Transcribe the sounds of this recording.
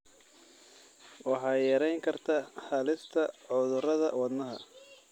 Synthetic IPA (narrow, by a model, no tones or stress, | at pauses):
wɑħɑːjɛɾɛjŋkʰɐrt̪ʰahalɪst̪ʰɐʕʊðʊɾɐðɐ̰wɑd̪nɐɦɐ̰